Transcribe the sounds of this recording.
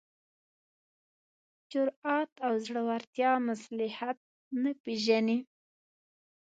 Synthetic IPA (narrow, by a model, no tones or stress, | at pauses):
t͡ʃʊɾɑt̪awzɽəwaɾt̪jɑmaslɪhat̪̚ | napeʒani